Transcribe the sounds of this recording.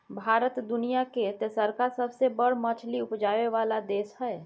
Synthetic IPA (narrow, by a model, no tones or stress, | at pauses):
bʱaːɾət̪d̪ʊnijaket̪esəɾkaɾsəbsebəɽ̤mət͡ʃʰliʊpd͡ʒaːweʋaːlad̪eːʃɦɛː